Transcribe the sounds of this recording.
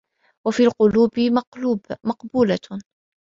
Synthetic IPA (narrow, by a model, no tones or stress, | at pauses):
wafiːlqʊluːbɪ | mɑqbuːla